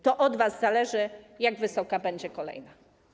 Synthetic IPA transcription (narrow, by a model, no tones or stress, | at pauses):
t̪ɔʔɔd̪vazzalɛʐɘjaɡvɘsɔkabɛɲd͡ʑɛkɔlɛ̰jna